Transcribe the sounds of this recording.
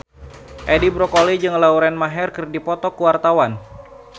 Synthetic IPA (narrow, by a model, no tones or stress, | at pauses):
ʔɛdibɾɔkolid͡ʒɨŋlauɾɛnmaɦɛrkɨrdipɔt̪ɔkuwart̪awan